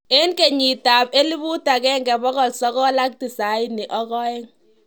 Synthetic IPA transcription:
e˦nke˨ɲi˨ta˨pe˦li˦bu˦ta˨kɛ˦ŋɡɛ˨bɔ˦kɔ˨lsɔ˦kɔ˦la˦k̚ti˨sa˨i˦nɪ˨ʔɔ˦kɔ˦e˦ŋ

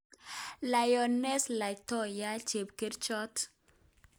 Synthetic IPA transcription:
la˨jɔ˨nɛ˦sla˨jtɔ˦ja˦t͡ʃe˨pke˦ɾt͡ʃɔ˦t

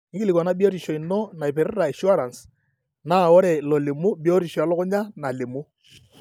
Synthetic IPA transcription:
nɪ˦kɪ˦li˨kɔ˨na˦bi˦o˦ɾi˨ʃɔ˨i˨nɔ˦na˨ɪ˨pɪ˨ɾɾa˨e˨ʃu˦a˦ɾa˨ns | na˦˨ɔ˦ɾe˨lo˨le˨mu˦bi˦o˦ɾi˨ʃɔ˨a˨lɔ˦kʊ˦ɲa˦na˨le˨mu˦

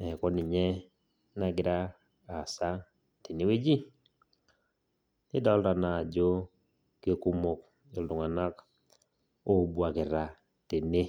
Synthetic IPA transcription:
ɛ˨kɔ˦nɪ˨ɲɛ˦ | na˨ɡɪ˨ɾaː˦˨ | sa˦ | te˨nɪ˦we˦d͡ʒi˦ | nɪ˦dɔ˦lɾa˨naː˨d͡ʒo˦ | ke˦ku˦mo˨k̚ | o˨ldʊ˨ŋa˨na˦k | o˦bwa˨kɪ˨ɾa˨ | te˨ne˦

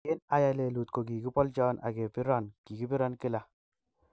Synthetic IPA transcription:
e˦na˦ja˨le˨lu˨tko˨ki˨ki˦pɔ˦lt͡ʃɔ˦nʔa̰˨ke˨pɪ˦ɾɔ˦˨nki˨ki˦pɪ˦ɾɔ˦nkɪ˦la˨

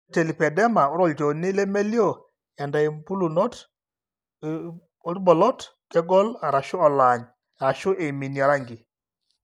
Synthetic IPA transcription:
te˨li˨pɛ˨dɛ˦ma˨ɔ˦ɾɔ˦˨ld͡ʒɔ˨nɪ˦lɛ˦me˦ljo˦˨ | ɛ˨nda˨i˨mpu˦lu˨nɔ˦t | ɔ˦tbɔ˨lɔ˦tkɛ˦ɡɔ˦la˨ɾa˨ʃʊ˦ɔ˨la˨ɲ | a˨ʃʊ˦ʔe˨mi˨ni˨ɔ˨ɾa˦ŋɡi˨

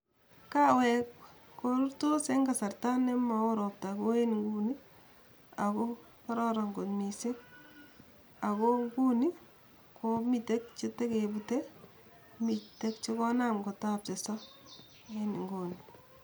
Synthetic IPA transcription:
ka˦wɛ˨kː | oɾu˦ɾto˦se˦ŋɡa˨sa˨ɾta˦ne˦ma˨o˦ɾɔ˨p̚ta˨ko˦e˦niŋɡu˦ni˦ | a˨ko˦ | a˦ɾɔ˦ɾa˨ŋɡo˨nmi˨se˦ | a˨ko˦ku˦ni˦ | kʰomite˦k̚t͡ʃe˦te˦ke˨bute˦ | mi˨te˦kt͡ʃe˦kɔ˦na˦mɡo˨ta˦p̚t͡ʃe˨sa˦ | e˦ni˨ŋɡo˨ni

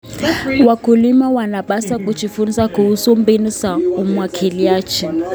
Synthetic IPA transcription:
wakʰu˨li˦ma˦wa˨na˨ɓa˦sakʼut͡ʃʰifu˦nisa˦kuu˦su˦mbe˦nu˦sa˨u˦mwa˨kʰi˨li˨jaː˦t͡ʃʰi˨

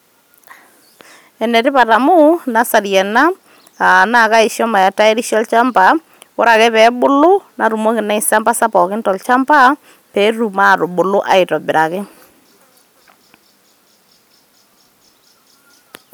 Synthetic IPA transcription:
ɛ˨nɛ˨tɪ˦pa˨ta˨mʊ˦na˦sa˨ɾjɛ˨na˦ | a˨na˦˨ka˦ɪ˨ʃjɔ˦ma˨ja˨ta˦ɛ˦ɾi˦ʃjɔ˦lt͡ʃa˦mpa˨ | kʊ˦ɾa˨kɛ˦pɛ˨˦bʊ˦lʊ˦na˨ɾu˨mo˦kɪ˨na˦ɪ˨sa˦mba˦sa˦pɔ˨kɪ˦ntɔ˨lt͡ʃa˦mpa˦ | pɛː˨˦ru˨ma˦˨tʊ˨ɓʊ˨lʊ˦ʔa̰˨ɪ˨tɔ˨bɪ˨ɾa˨kɪ˦

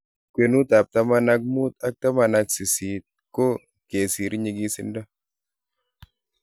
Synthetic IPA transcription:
kwe˨nu˦t̪a˨p̚t̪a˦ma˦na˦k̬̚mu˦t̪a˦k̚t̪a˦ma˨na˧ksi˨si˨˦t̪̚ko˦ | ke˨si˨ɾɲi˨ɡi˦sḭ˦nda˦

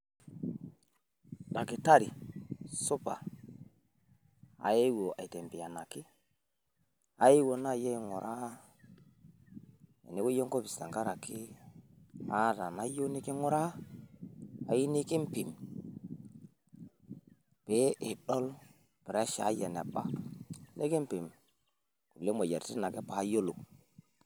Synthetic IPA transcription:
ɗa˨ki˨ta˦ɾi˨su˦pa̰˨ | a̰˨je˦wo˨a̰˨i˨te˨mpi˨ja˨na˨ki˦ | ha˦je˦wo˨na˦˨je˦˨ŋo˨ɾʔa˦ | ḛ˨ni˦wo˦jo˦ŋko˦bi˨sta̰˨ŋka˦ɾa˨ki˦ | a˦ta˨na˦jo˦ni˦ki˦ŋɔ˦ɾa˦ | a˨ji˦ni˦ki˦mpi˨m | pe˨˦ʔe˨ɗɔ˦l | pɛ˨ɾa˦ʃa̰˨˦ja˨n˨a̰˨pa˦ne˦ke˦mpi˨m | ku˨le˦ma˨ja̰˨ɾti˦na˨kɛ˦pa˨˦jo˦lo˨

